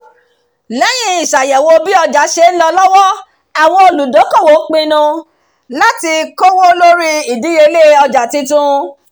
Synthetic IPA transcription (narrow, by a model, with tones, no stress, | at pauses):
lɛ˨˦j̃ĩ˧i˨ʃa˨jɛ˨wo˧bi˦ɔ˧d͡ʒa˨˦ʃe˧˦n̩˦lɔ˧lɔ˦wɔ˦ | a˨w̃ɔ̃˧o˧lu˨do˨˦kɔ̃˦˨wo˨˦k͡pĩ˧nũ˧ | la˦ti˧ko˦wo˦lo˦ɾi˦i˨dĩ˨˦e˧le˦ɔ˧d͡ʒa˨tĩ˧tũ˦